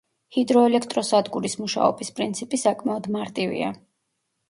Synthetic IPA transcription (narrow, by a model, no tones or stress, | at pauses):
hid̪ɾɔɛlɛkʰt̪ʼɾɔsad̪ɡuɾismuʃa̰ɔ̰bispʼɾint̪sʰipʼisakʼmaɔd̪maɾt̪ʼivḭa̰